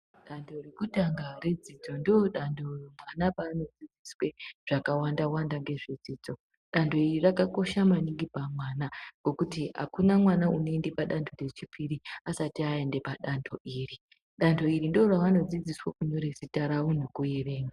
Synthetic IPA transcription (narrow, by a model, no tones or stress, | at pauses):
ɗantʰo̞rekutaŋɡare̞d͡zid͡zo̞ndooɗandʰʱo̞mwanapaːno̞d͡zid͡ziswe̞ʐ̥akawandawandaŋɡe̞ʐed͡ziːd͡zo̞ | ɗantʰo̞irirakako̞ʃamaniŋɡipamwaːnaɡ̥o̞kutiɦa̰kunamwanauneindepaɗantʰo̞re̞t͡ʃipʰiɾiasatiae̞nde̞paɗantʰo̞ʔiːri | ɗantʰo̞irindioraʋano̞d͡zid͡ziswakuɲo̞ɾe̞sitaɾawunukujeʋe̞ːŋɡa